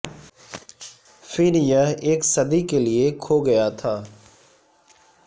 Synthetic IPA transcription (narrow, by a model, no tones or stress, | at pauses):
fʰɪɾjəeːksɐd̪ikeliekʰoːɡɐjat̪ʰaː